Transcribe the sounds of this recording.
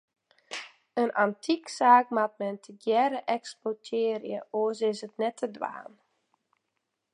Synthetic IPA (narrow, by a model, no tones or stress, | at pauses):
ənʔantʰiksaːkmat̚mɛntʰəɡjɛɾəʔɛkspotʰɪːrjəʔoəsɪsətnɛtʰːədʋa̰ːn